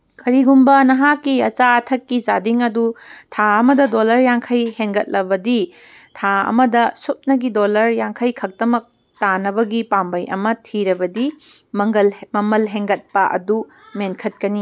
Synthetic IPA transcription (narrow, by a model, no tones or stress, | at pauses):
kʰɐɾiɡumbɐnɐɦakːiɐt͡ʃaɐtʰɐkːizadiŋɐdutʰaɐmɐdɐdolɐɾjaŋkʰɐjheŋɡɐt̚lɐbɐdi | tʰaɐ̰mɐdɐsut̚nɐɡidolɐɾjaŋkʰɐjkʰɐk̚tɐmɐk̚ | tanɐβɐɡipambɐjɐ̰mɐtʰiɾɐbɐdi | mŋɡɐmɐmɐlɦeŋɡɐt̚pɐʔɐ̰du | menkʰɐt̚kɐni